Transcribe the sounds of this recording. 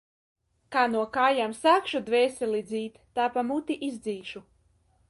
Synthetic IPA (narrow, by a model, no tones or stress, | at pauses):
kaːnuɔkaːjamsaːkʃud̪vɛːsilˠid̪zʲiːt̪ːaːpamut̪iʔizd̪ziːʃu